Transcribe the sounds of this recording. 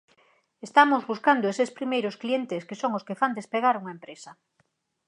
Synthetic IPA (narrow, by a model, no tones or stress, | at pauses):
est̪amozβuskand̪oesespɾimejɾosklient̪eskesoŋoskefand̪espeɣ̞aɾuŋaempɾesɐ